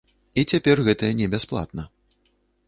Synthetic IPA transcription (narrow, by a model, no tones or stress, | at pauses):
it͡sʲapʲɛrɣɛt̪ɐjɐnʲɛbʲasplˠa̰t̪̚nɐ